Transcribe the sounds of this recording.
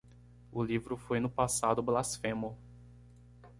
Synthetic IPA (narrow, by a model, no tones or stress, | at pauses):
ʊlivɾʊfojnʊpasad̪ʊblasfẽmʊ